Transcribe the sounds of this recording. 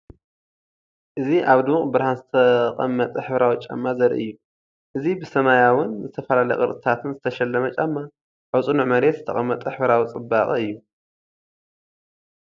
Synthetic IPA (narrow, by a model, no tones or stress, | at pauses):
ʔɨziʔaβd̪uuχʼbɨɾhanzɨt̪ʰɐqʼɐ̰mːɐt̪ʼɨħbɨɾawt͡ʃʼa̰mːazɐɾḭʔɨ̰jːu | ʔɨzibɨsɐmajawʊnzɨt̪ʰɐfɐlalɐj̰qʼɨɾt̪ʼɨt̪ʰat̪ʰɨnzɨt̪ʰɐʃɐlːɐmɐt͡ʃʼɐmːa | ħawt͡sʼunuʕmɐɾet̪z̥ɨt̪ʰɐ̰χʼɐmːɐt̪ʼɨħbɾawt͡sʼɨbːaχʼɨɨjːu